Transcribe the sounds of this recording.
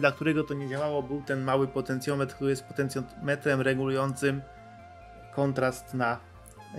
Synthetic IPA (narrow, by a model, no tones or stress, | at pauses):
d̪lakt̪uɾɛɡɔt̪ɔɲɛd͡ʑawawɔbɘwt̪ɛnmawɘpɔt̪ɛnt̪sʲjɔmɛt̪kt̪uɾjɛst̪pɔt̪ɛnsjɔmɛt̪ɾɛmɾɛɡulujɔnt̪sɘm | kʰɔnt̪ɾast̪na